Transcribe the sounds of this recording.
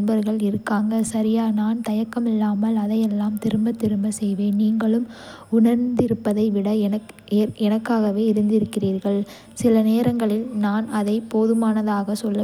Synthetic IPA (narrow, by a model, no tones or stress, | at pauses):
nbɐɾɣɐɭɪɾɯkːaːŋɡɐsɐɾɪjaːnaːnt̪ɐjɐkːɐmɪlːaːmɐlɐðɐjɛlːaːmt̪ɪɾɯmbɐt̪ɪɾɯmbɐsɛjʋeːnniːŋɡɐɭɯm | ʊɳɐɾnd̪ɪɾɯpːɐðɐɪʋɪɽɐɐ | ɛnɐkːaːɣɐʋeːɪɾɯnd̪ɪɾɯkːɪriːɾɣɐɭ | sɪlɐneːɾɐŋɡɐɭɪlnaːnɐðɐɪpoːðɯmaːnɐðaːɣɐsɔlːɐ